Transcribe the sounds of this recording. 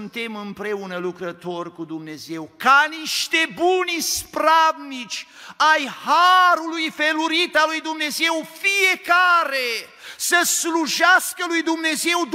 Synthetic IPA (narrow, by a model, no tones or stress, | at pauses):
nt̪e̞mɨmpɾe̞unəlukɾət̪o̞rʲkud̪umne̞ze̞wkaniʃt̪e̞bunspɾabnit͡ʃʲajhaɾulujfe̞luɾit̪alujd̪umne̞ze̞wfije̞kaɾe | səsluʒaskəlujd̪umne̞ze̞wd̪